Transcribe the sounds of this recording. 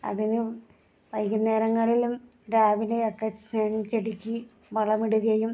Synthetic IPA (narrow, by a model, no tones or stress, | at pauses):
ɐ̰ðinɨ | ʋɐjɣinːe̞ːɾɐŋːɐɭilum | ɖaːʋile̞okːeneːnt͡ɕeɽikʲːɨ | ʋɐɭɐmiɽuɣɐjum